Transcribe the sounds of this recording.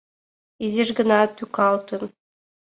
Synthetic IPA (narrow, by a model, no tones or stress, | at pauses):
iziʒɡə̆nɑt̪ykɑlt̪ɤ̆n